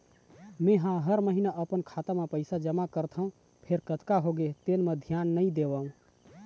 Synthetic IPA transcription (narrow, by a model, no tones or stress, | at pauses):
mẽɦãɦəɾməɦinaʔəpənkʰat̪amepəɪsad͡ʒəmakəɾt̪ʰəũ | pʰeɾkət̪kaɦoɡet̪enmed̪ʱjanːəid̪ebəɦũ